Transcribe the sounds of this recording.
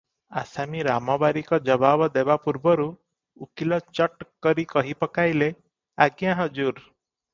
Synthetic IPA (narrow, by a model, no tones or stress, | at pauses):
a̰samiɾamɔbaɾikɔd͡ʒɔbabɔd̪ebapuɾbɔɾu | ukilɔt͡ʃɔʈkɔɾikɔɦipɔkajle | aɡjãɦɔd͡ʒuɾ